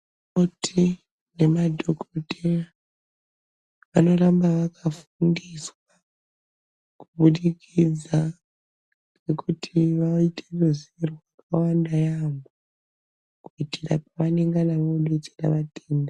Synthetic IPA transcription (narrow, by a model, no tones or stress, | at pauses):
otʰi | ne̞madʱokotera | ʋano̞rambaʋakafundiswa | kuɓuɗikʰid͡za | nekutʰiʋaitʰeruzerwakawandajambo | kuitirap̚aʋaneŋɡanaʋoɗet͡ʃera̰ʋateːnda